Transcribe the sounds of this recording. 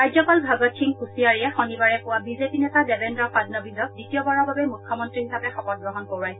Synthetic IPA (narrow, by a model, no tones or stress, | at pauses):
kajdzɔkɔlbʱaɡɔtkʰiŋkusiaɹijɛxonibaɹɛpʊwabizepinɛtadɛbendɹɔpadnɔbizɔk̚ditijɔbaɹɔɹbʱabɛmukʰːɔmɔntɹihisapɛxɔpɔt̚ɡɹɔɦɔnkoɹaj